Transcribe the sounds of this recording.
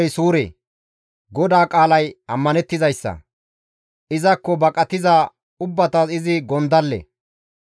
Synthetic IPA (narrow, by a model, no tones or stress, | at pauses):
jsuːɾḛː | ɡɔd̪aːkʼaːlɐjɐmːɐnɛt̪ːɪzɐjsːɐ̰ | ʔɪzɐkːɔbɐkʼɐt̪ɪzaː | ʊbːɐt̪ɐsɪzɪɡɔnd̪ɐlːɛ̰